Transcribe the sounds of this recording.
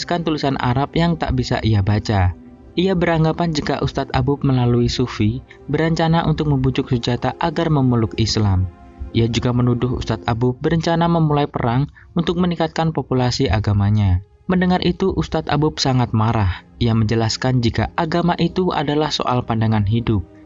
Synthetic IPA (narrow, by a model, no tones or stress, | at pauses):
skant̪ulisanʔa̰ɾapjaŋt̪a̰ʔbisa̰ʔijabat͡ʃa | ʔijabəɾaŋɡapand͡ʒikaʔust̪at̪a̰bʊp̚məlaluisufi | bəɾəɲt͡ʃanaʔṵnt̪ʊk̚məmbud͡ʒʊk̚səd͡ʒat̪aʔaɡarməmulʊkislam | ʔiad͡ʒuɡamənudʊhṵst̪at̪abʊp̚bəɾəɲt͡ʃanaməmulajpəɾaŋ | unt̪ʊk̚mənikat̪̚kanpopulasiʔaɡamaɲa | məndəŋarʔit̪uʔust̪at̪a̰bʊp̚saŋat̪̚maɾahijaməɲd͡ʒəlaskand͡ʒikaʔaɡamaʔit̪ua̰dalahso̰ʔa̰lpandaŋanɦidʊp̚